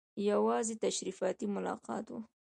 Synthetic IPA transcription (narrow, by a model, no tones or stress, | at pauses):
jawɑzet̪aʃɾifɑt̪imʊlɑ̰qɑ̰t̪wṵ